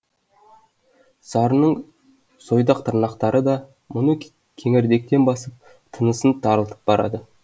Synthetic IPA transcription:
sɑɾənəɴ | so̞jd̪ɑq̚t̪ʰəɾnɑqt̪ɑɾʔəd̪ɑ | mʊnə | kʲʰeŋɪɾd̪e̞k̚t̪e̞nbɑsəp̚ | t̪ʰənəsənt̪ʰɑɾəlˠt̪ʰə̥p̚bɑɾɑ̰d̪ə

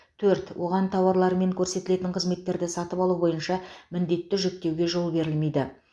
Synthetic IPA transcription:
t̪ʰɵɾt̪wʔo̞̰ʁɑnt̪ʰɑwɑɾlˠɑɾəme̞ŋkʲʰɵɾse̞t̪ɪle̞t̪ɪɴqʰəzme̞t̪ːe̞ɾd̪ɪsɑt̪əpɑlˠubo̞jənʃɑmɪnd̪e̞t̪ːɪʒʏk̚t̪e̞wɡʲe̞ʒo̞lˠbe̞ɾɪlme̞jd̪ɪ

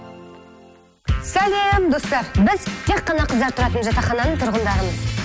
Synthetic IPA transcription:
sælemd̪o̞st̪ɑɾbɪzt̪ʰe̞k̚qːɑnɑqʰəzd̪ɑɾt̪ʰʊɾɑt̪ənʒɑt̪ɑχɑnɑnəɴt̪ʰʊɾʁənd̪ɑɾəməz

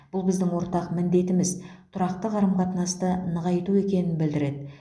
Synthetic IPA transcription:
b̥ʊlˠbɪzd̪ɪŋwo̞ɾt̪ɑqmɪnd̪e̞t̪ɪmɪzt̪ʰʊɾɑqt̪əʁɑɾəmqʰɑt̪nɑst̪ənəʁɑjt̪ue̞kʲe̞nɪnbɪld̪ɪɾe̞d̪ɪ

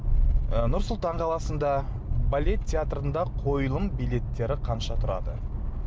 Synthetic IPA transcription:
ənʊɾsʊlˠt̪ɑɴqʰɑlˠɑsənd̪ɑ | balʲe̞t̪ːʰʲeat̪rənd̪ɑqʰo̞jlˠəmbijlʲe̞t̪ːe̞ɾɪqʰɑnʃɑt̪ʰʊɾɑ̰d̪ə

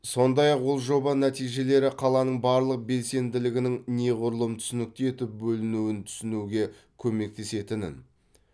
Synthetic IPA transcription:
so̞nd̪ɑjɑqwolˠʒo̞bɑnæt̪ijʒe̞le̞ɾɪqʰɑlˠɑnəɴbɑɾlˠəq̚be̞lse̞nd̪ɪlɪɡʲɪnɪŋne̞ʁʊɾlˠəmt̪ʰʏ̥sɪnɪk̚t̪eet̪ɪp̚bɵlɪnuwɪnt̪ʰʏ̥sɪnuɡʲe̞ | kʲʰɵme̞k̚t̪e̞se̞t̪ɪnɪ̰n

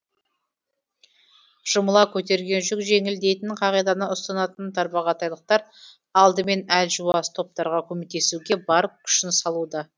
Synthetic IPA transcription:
ʒ̥ʊməlˠɑkʲʰɵt̪e̞ɾɡʲe̞nʒʏkʒe̞ŋɪld̪e̞jt̪ɪɴqʰɑʁijd̪ɑnəʊst̪ɑnɑt̪ənt̪ʰɑɾbɑʁɑt̪ɑjlˠəq̚t̪ɑɾ | ɑlˠd̪əme̞nælʒuɑst̪ʰo̞p̚t̪ɑɾʁɑkʲʰɵmek̚t̪e̞suɡʲe̞bɑɾəp̚kʲʰʏ̥ʃɪnsɑlˠud̪ɑ

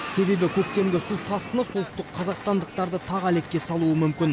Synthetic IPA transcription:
se̞be̞bɪkʲʰɵkt̪e̞mɡʲɪsulˠt̪ʰɑsqənəso̞lt̪ʏst̪ɪqqʰːɑzɑqst̪ɑnd̪əq̚t̪ɑɾd̪ət̪ʰɑʁæle̞k̚ʲːe̞sɑlˠuəmʏmkʲɪn

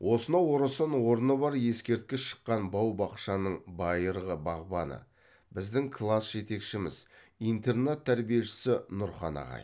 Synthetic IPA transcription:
wʔo̞sənɑwo̞ɾɑsənwo̞ɾənəbɑɾje̞skʲe̞ɾt̪̚kʲɪsʃə̥qːɑnbɑwbɑqʃɑnəɴbɑjəɾʁəbɑʁbɑnə̰ | bɪzd̪ɪŋkʰlˠasʒ̥e̞t̪e̞kʃɪmɪz̥ | ijnt̪e̞rnet̪ʰːæɾbije̞ʃɪ̥sɪnʊɾχɑ̰nɑ̰ʁɑ̰j

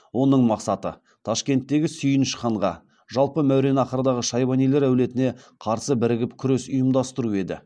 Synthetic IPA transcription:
wo̞nəɴmɑqsɑt̪ə̰ | t̪ʰɑʃkʲe̞nt̪ːe̞ɡʲɪsʏjənʃəqɑɴʁɑ̰ | ʒɑlˠpəmæwɾe̞nɑqəɾəd̪ɑʁəʃɑjbɑnijle̞ɾæwle̞t̪ɪne̞ | qʰɑɾsəbɪɾɪɡʲɪpkʲʰʏɾe̞sʊjəmd̪ɑst̪əɾue̞d̪ɪ̰

